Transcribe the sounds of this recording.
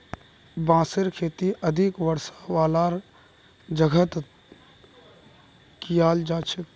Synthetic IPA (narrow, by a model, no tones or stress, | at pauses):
bãːsəɾkʰeːt̪iʔəd̪ʱikʋəɾsḁʋaːlaɾ | d͡ʒəɡʱət̪ | kijaːld͡ʒaːt͡ʃʰe